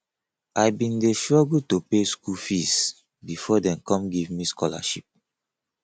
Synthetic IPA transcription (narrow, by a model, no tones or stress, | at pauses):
ʔajbĩndeʃɔɡud̚topeskufis | bifɔdɛ̃mkɔ̃mɡivmiskʰɔla̰ʃip̚